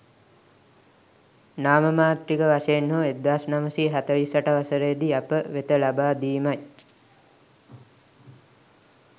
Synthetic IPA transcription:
naːməmaːt̪ɾikəʋaʂeenːoed̪ːaːsnaməsiɦat̪əlisaʈəʋasəɾejd̪iapəʋet̪əlabaːd̪iːmaj

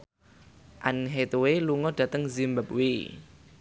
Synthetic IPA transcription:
ʔanɦet̪uweluŋɔɖ̥ä̤t̪əŋzimbəp̚wi

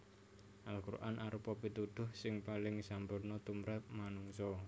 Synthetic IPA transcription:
ʔalkuɾʔanʔaɾupɔpit̪ud̪̥ʊ̤hsɪŋpalɪŋsampʊrnɔt̪umɾat̪̚manuŋsɔ

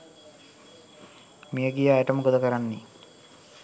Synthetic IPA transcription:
mijəɡijaːeʈəməɡod̪əkəɾanːi

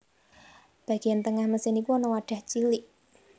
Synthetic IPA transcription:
b̥ä̤ɡ̥i̤ant̪əŋahməsɪnikuɔnɔwaɖ̥a̤ht͡ʃiliʔ

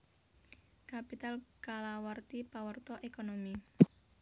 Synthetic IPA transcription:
kapit̪alkalawart̪ipawərt̪ɔʔekonomi

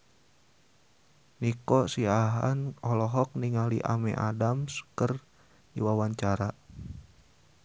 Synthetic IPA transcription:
nikɔsiaɦa̰nɔlɔɦɔk̚niŋalḭʔa̰mɛ̰ʔadamskər | diwawaɲt͡ʃaɾa

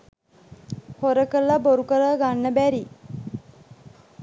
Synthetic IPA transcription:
hoɾəkəlːaboɾukələɡanːəbæɾi

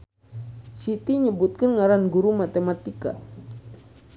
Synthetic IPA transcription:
sit̪iɲəbut̪̚kənŋaɾanɡuɾumat̪emat̪ika̰

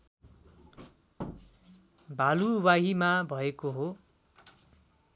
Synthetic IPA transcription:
bʱaluwaɦimabʱʌekoɦo

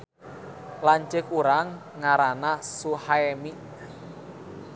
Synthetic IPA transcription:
laɲt͡ʃɪkuɾaŋː | aɾanasuhaemi

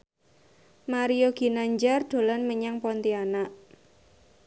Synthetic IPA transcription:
maɾioɡ̥i̤naɲd͡ʒard̪̥o̤lanməɲaŋpɔnt̪ianaʔ

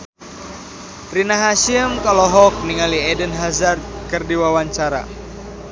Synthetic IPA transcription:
rinaɦaʃimkaloɦɔk̚niŋaliɛdənɦazar̚kɨrdiwawaɲt͡ʃaɾa̰

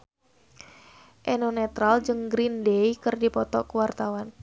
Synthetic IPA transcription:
ʔenonɛt̪ɾald͡ʒɨŋɡɾindeikɨrdipɔt̪ɔkəwart̪awan

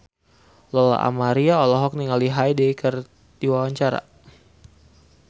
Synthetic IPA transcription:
lɔla̰ʔa̰maɾiaɔlɔɦɔk̚niŋaliɦajdejkʰər | diwawaɲt͡ʃaɾa̰

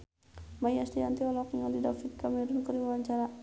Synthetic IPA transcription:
majast̪iant̪ialɔkiŋaldidafit̪̚kamiɾunkəɾiwawaɲt͡ʃaɾa

